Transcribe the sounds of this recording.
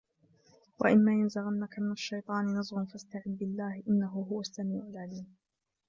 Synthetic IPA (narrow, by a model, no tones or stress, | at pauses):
wa̰ʔɪmːaːjanzaɣanːakamɪnaʃːɑjt̪ˤɑːnɪnɑzˤɣʊnfast̪aʕɪd̪̚bɪlːaːhɪʔɪnːaɦʊɦʊwasːamiːʕʊlʕaliːm